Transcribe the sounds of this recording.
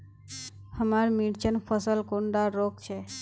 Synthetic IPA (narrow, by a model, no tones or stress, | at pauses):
həmaɾmiɽt͡ʃənpʰəsəlkoɳɖaɾokt͡ʃʰe